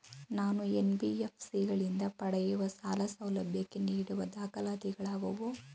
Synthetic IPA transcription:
naːnuenbiepʰsiɡɐɭind̪ɐpɐɽɐjuʋɐsaːlɐsɐwlɐbʱjɐkːeniːɽuʋɐd̪aːkɐlaːd̪iɡɐɭaːɡɐʋu

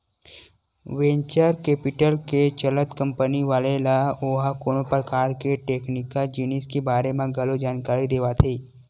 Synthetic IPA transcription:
ʋẽːɲt͡ʃəɾkeːpɪʈəlket͡ʃələt̪kə̃mpəniʋaːlelaoːɦakoːnopɾəkaːɾkeʈeːknɪkad͡ʒiːniskebaːɾemẽɡʱɐlod͡ʒaːnkaːɾid̪eːʋat̪ʰeː

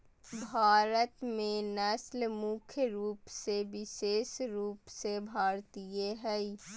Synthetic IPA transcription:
bʱaːɾət̪mẽnɛslmʊkʰjɾuːpseʋɪʃeːsɾuːpsebʱaːɾt̪ijeɦɛi

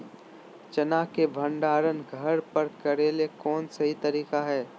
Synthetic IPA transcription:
t͡ʃɐnaːkebʱɐ̃ɳɖaːɾənɡʱɐɾpɐɾkɐɾeːlekɔːnsɐɦit̪ɐɾiːkaɦɛː

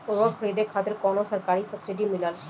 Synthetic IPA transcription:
uɾofʰɾid̪ekʰat̪eɾkɔnosaɾkaɾisəsiɖimilal

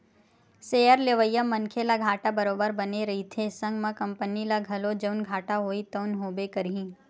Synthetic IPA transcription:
seːjəɾleʋəjːəmːɐnkʰelaɡʱaːʈabɐɾoːbəɾbɐneɾɐɦit̪ʰesɐ̃ŋɡmãkɐ̃mpənilaɡʱɐlod͡ʒəʊnɡʱaːʈaɦoːit̪əʊnɦoːbekɐɾɦĩː

